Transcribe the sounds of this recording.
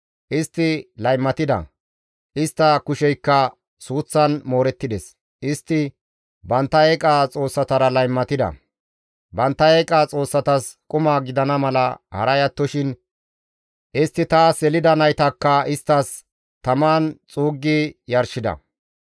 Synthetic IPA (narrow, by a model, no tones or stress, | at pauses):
ʔɪst̪ːɪlɐjmːɐt̪ɪd̪ɐ̰ | ʔɪst̪ːɐkʊʃɛjkːɐ | suːt͡sːɐnmo̞ːɾɛt̪ːɪd̪ɛs | ʔɪst̪ːɪ | bɐnt̪ːɐeːkʼaːt͡sʼo̞ːsːɐt̪ɐɾɐlɐjmːɐt̪ɪd̪ɐ̰ | bɐnt̪ːɐekʼaːt͡sʼo̞ːsːɐt̪ɐskʼʊmaːɡɪd̪ɐnɐmɐlɐhɐ̰ɾɐjɐt̪ːɔʃɪn | ʔɪst̪ːɪt̪asɛlɪd̪ɐnɐjt̪ɐkːɐɪst̪ːɐs | t̪ɐmaːnt͡sʼuːɡːɪjɐɾʃɪd̪ɐ̰